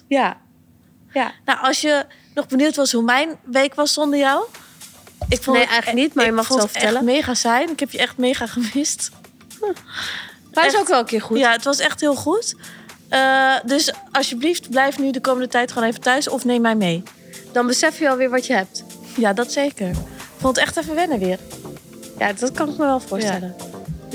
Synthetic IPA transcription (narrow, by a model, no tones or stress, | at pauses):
ja | nɔwɑlsjə | nɔχbəniwtʋɔsɦumɛjnʋeːkʋɔsːɔndəɹjaw | ɪkfonɛjxlnitmajəmɔxɛlˠfə̥tɛləmeːχasɛjnɪkhɛpjəɛxtmeːχaχəmɪst | asowkʋɛlˠəkɪːɹxujaətʋɔsɛxtɦhɪəlˠχut | ədøsɑsjəbliftblɛjfnydəkoːməndətɛjtχwoːneːvətœɥsɔfneːmːɛjmej | d̥ɔnbəsɛfjəɔlˠʋɪːɹʋɔtjəɦɛp̚tjadɔtseːkəɹɪkfolˠətɛχtɛfəʋɛnəʋɪːər | ja̰dɔt̚kɑnɪk̚məʋɛlˠfoəstɛlə